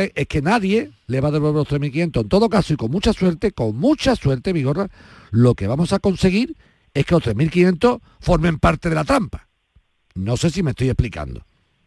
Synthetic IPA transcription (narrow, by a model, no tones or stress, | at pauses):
ʔe̞hke̞naðje̞le̞βaðeββelot̪ɾemilk̬inje̞nt̪oent̪o̞ðo̞kasoiko̞ŋmut͡ʃaswe̞ɾt̪e̞ko̞ŋmũt͡ʃaswe̞ɾt̪e̞βiɣo̞ra | lo̞ke̞βamo̞sako̞nse̞ɣ̞iɾ | e̞hke̞lo̞ht̪ɾe̞milkinje̞nt̪o̞ | fo̞ɾmẽ̞mpaɾt̪e̞ðe̞lat̪ɾampḁ | no̞se̞s̬ime̞st̪oje̞hplika̰nd̪o̰